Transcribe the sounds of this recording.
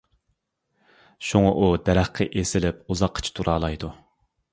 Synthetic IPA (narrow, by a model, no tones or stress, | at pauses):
ʃuŋɑʔud̪ɛɾæχqʰɛʔesɪlɪp̚uzɑqʰːə̥t͡ʃʰi̥t̪ʰuɾʔɑːlˠɑjd̪u